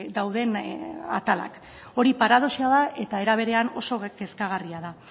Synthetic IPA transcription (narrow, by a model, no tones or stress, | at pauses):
d̪awð̞e̞na̰t̪ala̰k | o̞ɾipaɾað̞o̞siaðaʔe̞t̪ae̞ɾaβ̞e̞ɾe̞ano̞̰so̞ɡe̞skaɣ̞ariaða